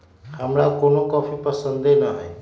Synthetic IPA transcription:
həmɾakonokɔːpʰipəsənd̪enəɦe

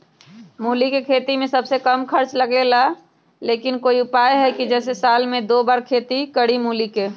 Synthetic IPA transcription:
muːlikekʰeːt̪imẽsɐbsekəmkʰəɾt͡ʃləɡela | leːkɪnkoːiʊpaːjɦɛkid͡ʒɛːsesaːlmẽd̪oːbaːɾkʰeːt̪ikəɽimuːlike

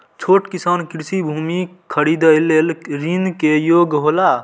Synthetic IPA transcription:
t͡ʃʰoʈkisankiɾsibʱumikʰəɾid̪əjlːelɾinkejoɡɦola

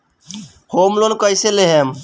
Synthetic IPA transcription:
homlonkəjseleɦem

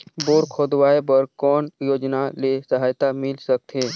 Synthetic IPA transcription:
boːɾkʰod̪ʋaːepəɾkɔːnjoːd͡ʒnalesəɦaːjt̪amɪlsək̚t̪ɦeː

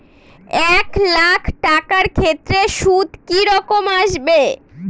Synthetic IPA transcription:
ɛklakʰʈakaɾkʰet̪ːɾeʃud̪ʱkiɾɔkomaʃbe

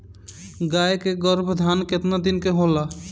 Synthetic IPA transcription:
ɡaekeɡɔɾbʱd̪ʱanket̪nad̪inkeɦola

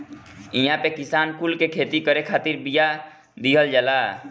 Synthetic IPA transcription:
iɦãpekisaːnkulkekʰeːt̪ikəɾekʰaːt̪iɾbija | d̪iɦəld͡ʒalaː

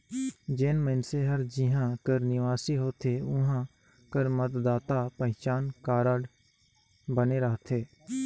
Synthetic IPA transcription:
d͡ʒeːnməɪnseɦəɾd͡ʒɪɦãkəɾnɪʋaːsiɦoːt̪ʰeʊɦã | kəɾmət̪d̪aːt̪apəɦɪ̃t͡ʃaːnkaːɾəɖ | bəneɾəɦt̪ʰeː

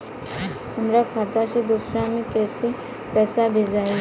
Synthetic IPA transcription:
hɐmɾakʰaːt̪ased̪uːsɾãmẽkɛːse | pɛːsabʱed͡ʒaːi

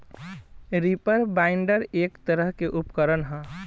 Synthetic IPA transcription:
ɾipəɾbaɪɳɖəɾeːkt̪əɾəɦkeʔʊpkəɾənɦɛ̃ː

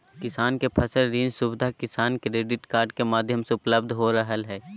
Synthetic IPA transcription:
kɪsaːnkepʰɐsəlɾĩːnsʊbd̪ʱakɪsaːnkɾeːɖɪʈkaːɾɖkemaːd̪ʱjəmseʊpləb̚d̪ʱɦoɾəɦəlɦɛː

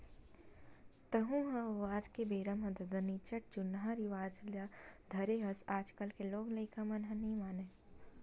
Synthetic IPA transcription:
t̪ɐɦũɦɐ̃ʋaːd͡ʒkebeːɾəmɦɐd̪əd̪ɐnit͡ʃəʈ̚d͡ʒʊnɦãɾiʋaːzljad̪ʱɐɾeɦɐsaːd͡ʒkəlkeloːɡlɐɪkʰamɐnɦɐ̃nĩmaːne

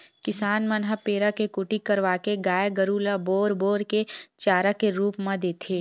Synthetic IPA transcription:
kɪsaːnmɐnɦapeːɾakekuʈikɐɾʋaːkeɡaːjɡəɾuːlaboːɾboːɾket͡ʃaːɾakeɾuːpmɐ̃d̪eːt̪ʰeː

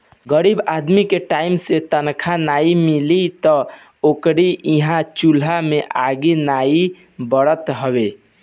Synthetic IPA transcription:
ɡəɾibad̪mikeʈaimset̪ənkʰanaimilit̪ɔ | okɾiiɦãt͡ʃulameʔaɡinai | bəɽət̪ɦəbe

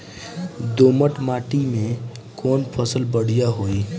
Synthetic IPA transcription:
d̪oːməʈmaːʈimẽ | kɔːnpʰəsəlbəɽ̤ijaɦoːiː

